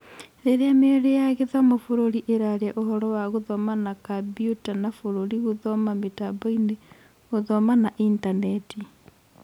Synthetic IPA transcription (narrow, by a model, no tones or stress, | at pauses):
ɾeɾeameoɾejaɣeðwamofoɾoɾiʔeɾaɾɛʔoɦɔɾɔwaɣoðɔmanakabiutanafoɾoɾiɣoðɔmametaboine | ɣoðɔmanaʔintanɛti